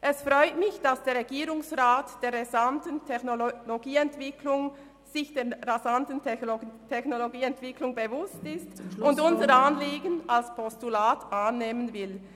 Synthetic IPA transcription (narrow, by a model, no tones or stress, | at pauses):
ʔɛsfʁɔʏtmɪçd̥asd̥eːʁeɡiːʁʊŋsʁaːtd̥eːɐʁezantəntʰɛçnoloɡiːɛntv̥ɪkʰlʊŋ | z̥ɪçd̥eːɐʁazantən̩tʰɛçnoloɡiːɛntv̥ɪklʊŋbevʊstɪstʊndʊnzəɾanliːɡənʔalspʰɔstulaːtʔanːeːmənvɪl